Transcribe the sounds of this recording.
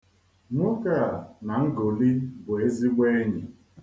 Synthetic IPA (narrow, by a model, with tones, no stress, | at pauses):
nʊ˦ka˦˨na˨ŋ̩˦ɡo˨li˦bʊ˨e˦zi˦ɡ͡be˦e˦ɲi˨